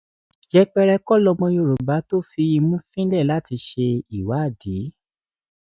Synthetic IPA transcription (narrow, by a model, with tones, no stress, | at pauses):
d͡ʒɛ˧k͡pɛ˧ɾɛ˧kɔ˦˨lɔ˧mɔ̃˧jo˧˨ɾo˨ba˨˦to˦˨fi˧i˧mũ˦fĩ˦lɛ˦˨la˦ti˧ʃe˧i˨wa˨˦˨di˨˦